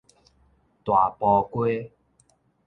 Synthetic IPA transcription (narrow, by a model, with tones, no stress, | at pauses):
t̪wa˨˩pɔ˧kwe˦